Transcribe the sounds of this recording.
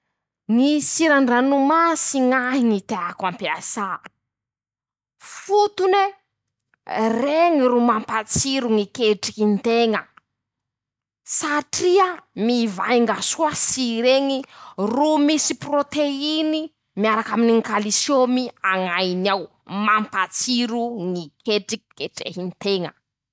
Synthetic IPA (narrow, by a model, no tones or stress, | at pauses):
ŋisiɾaɳɖ͡ʐanumasiŋaɦiŋit̪eakampiasa | fut̪une | reŋirumampat͡siɾuŋikeʈ͡ʂi̥kint̪eŋə | saʈ͡ʂiəmivajŋɡasuasiɾeŋirumisiprot̪eini | miaɾakaminiŋkalisjomiaŋajnaw | mampat͡siɾuŋikʰeʈ͡ʂiki̥keʈ͡ʂḛɦint̪eŋə̰